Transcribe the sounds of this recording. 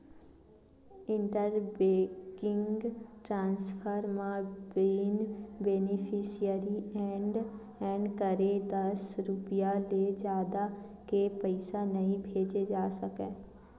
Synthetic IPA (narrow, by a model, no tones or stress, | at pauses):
ɪ̃ɳʈəɾbeːkɪ̃ŋɡɡʈɾãːnspʰəɾmãbeːnbeːnɪpʰiːʃijəɾiɛ̃ːɳɖ | ɛ̃ːɳɖkəɾed̪ɐsɾʊpijaled͡ʒjaːd̪a | kepəɪsanɐɦĩbʱeːd͡ʒed͡ʒaːsəkẽː